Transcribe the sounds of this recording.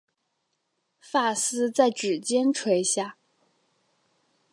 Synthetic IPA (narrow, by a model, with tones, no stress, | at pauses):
fa˥˩sɹ̩˥t͡sa˥˩ɪʈ͡ʂɻ̩˨˩t͡ɕjɛ˥nʈ͡ʂʰwe˧˥ɪɕja˥˩